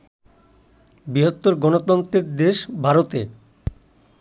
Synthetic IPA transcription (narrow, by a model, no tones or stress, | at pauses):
biɦot̪ːoɾɡɔnot̪ɔnt̪ɾeɾd̪eʃbʱaɾot̪e